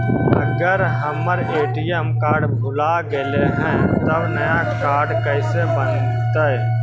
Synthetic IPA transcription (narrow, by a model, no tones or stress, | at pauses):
ə̰ɡəɾɦəmːəɾeːʈijəmkaːɾɖbʱʊlaɡəleɦɛ̃ːt̪əbnəjakaːɾɖkəɪsebən | t̪əɛ